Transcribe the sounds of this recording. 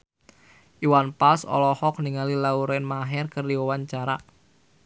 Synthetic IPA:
ʔiwanpasɔ̰lɔhɔk̚niŋalilauɾɛnmaɦɛrkərdiwɔwaɲt͡ʃaɾa̰

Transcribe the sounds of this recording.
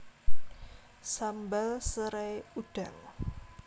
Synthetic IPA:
sambalsəɾajuɖ̥a̤ŋ

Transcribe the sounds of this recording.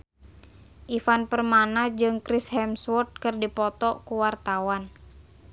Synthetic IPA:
ʔifanpərmanad͡ʒɨŋkɾɪshɛmswɔt̪̚kɨrdipɔt̪ɔkuwart̪awan

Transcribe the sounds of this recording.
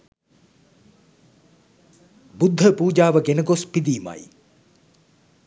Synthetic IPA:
bud̪ʱːəpuːd͡ʑaːʋəɡenəɡospid̪iːma̰j

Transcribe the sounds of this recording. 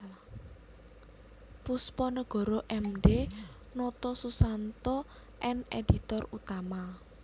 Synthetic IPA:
puspɔnəɡ̥ɔ̤ɾɔʔɛmɖe | nɔt̪ɔsusant̪ɔ | ʔɛneɖ̥i̤t̪ɔrut̪ama

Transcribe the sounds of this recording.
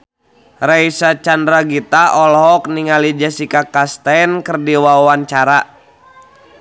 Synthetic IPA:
raisat͡ʃandɾaɡit̪aɔlɦɔk̚niŋalid͡ʒasikakast̪ajnkərdiwawant͡ʃaɾa

